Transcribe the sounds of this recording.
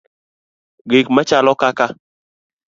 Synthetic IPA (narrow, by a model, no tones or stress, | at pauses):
ɡekmat͡ʃalɔkaka